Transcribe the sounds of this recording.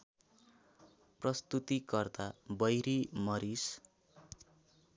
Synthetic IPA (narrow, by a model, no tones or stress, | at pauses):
prʌst̪ut̪ikʌrt̪abʌjɾimʌɾis